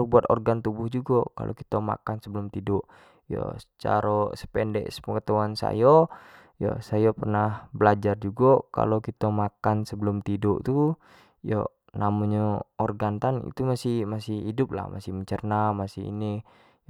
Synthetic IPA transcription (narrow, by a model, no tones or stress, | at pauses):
buat̪ɔ̰rɡant̪ubʊhd͡ʒuɡɔka̰lʔo̰kit̪ama̰kansəbəlʊmt̪idɔʔ | jo̰sət͡ʃa̰ɾosə̥pɛndɛ̰ʔspəŋət̪auansa̰jo | ja̰sajopərnahbəlad͡ʒard͡ʒuɡɔka̰lokit̪amakansəbəlʊmt̪idɔʔt̪u | jɔ̰ | namoɲaɔrɡant̪anḭt̪umasihmasihidʊp̚la̰hma̰sihməɲt͡ʃərnamasihḭni